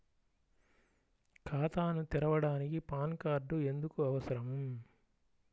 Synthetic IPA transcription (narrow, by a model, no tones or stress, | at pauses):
kʰaːt̪aːnut̪iɾɐʋɐɽaːnikipaːnkaːɾɖue̞nd̪ukuɐʋɐsɐɾɐm